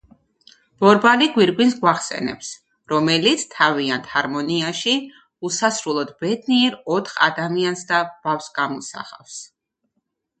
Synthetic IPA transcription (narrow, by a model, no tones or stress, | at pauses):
b̥ɔɾbaliɡwiɾɡwinsɡwaχsɛ̰nɛ̰ps | ɾɔmɛlit̪sʰt̪ʰaviant̪haɾmɔniaʃi | usasɾulˠɔd̪bɛd̪niɛɾɔt̪ʰχa̰d̪amiansd̪ab̥afsɡamɔsa̰χa̰fs